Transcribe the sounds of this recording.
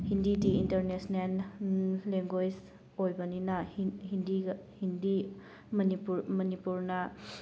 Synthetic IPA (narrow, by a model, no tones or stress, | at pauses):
hindidiintɐɾnesnel | leŋɡod͡ʒ | ojbɐninɐhindiɡhindi | mnipuɾmɐnipuɾnɐ